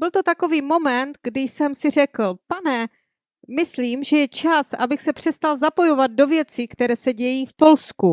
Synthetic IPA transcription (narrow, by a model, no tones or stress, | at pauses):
bɪlt̪o̞t̪ako̞viːmo̞mɛnt̪ɡdɪjsɛmsɪr̝ɛkl̩panɛ | mɪsliːmʒɛjɛt͡ʃasʔabɪxsɛpr̥ɛst̪alzapo̞jo̞vad̪̚do̞vjɛt͡sikt̪ɛɾɛːsɛɟɛjiːfpo̞lsku